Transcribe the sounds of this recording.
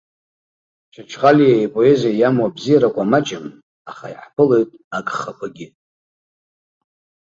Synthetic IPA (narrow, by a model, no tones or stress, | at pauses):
t͡ʃʷʰat͡ʃʰχʼalijaipʼo̞e̞ziajamwabzijaɾakʷʼamat͡ʃʼɪm | aχa̰iħpʰɨle̞jtʼakʼχapʷʰaɡʲɪ